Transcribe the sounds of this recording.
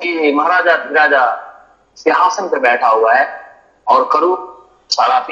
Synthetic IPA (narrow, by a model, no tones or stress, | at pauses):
kimɐɦɾaːd͡ʒad̪ɪɾaːd͡ʒa | sɪɦaːsənpɐbɛːʈʰaɦuaɦɛː | ɔːɾkɐɾuː | saːɾaːfʰ